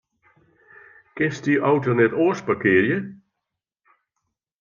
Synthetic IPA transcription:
kɪstyʔawtonɛtoːspakɪəɾjə

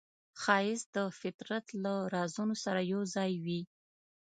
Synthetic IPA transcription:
xɑjɪsd̪əfɪt̪ɾat̪laɾɑzunosaɾajawzɑjwi

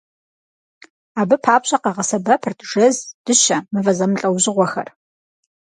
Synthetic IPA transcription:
aːbɨpʰaːpɕʼɐqɑʁɐsɐbɐpʰɨrtʰʒ̥ɐzd̥ɨʃɐmɨvɐzɐmɬʼɐwʑɪʁʷɔxɐ̰r

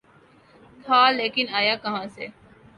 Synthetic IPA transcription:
t̪ʰaːleːkɪnaːjaːkɐɦãːsḛ

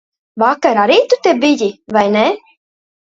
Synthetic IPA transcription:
vakaɾaɾiːt̪ut̪ebijivajnʲe

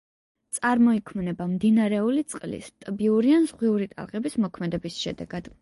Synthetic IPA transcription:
t̪sʼaɾmɔikʰmnɛbamd̪inaɾɛulit̪sʼqʼlḭst̪ʼbiuɾianzʁwiuɾit̪ʼa̰lˠʁʼɛbismɔkʰmɛd̪ɛbisʃɛ̰d̪ɛ̰ɡ̥ad̪̥

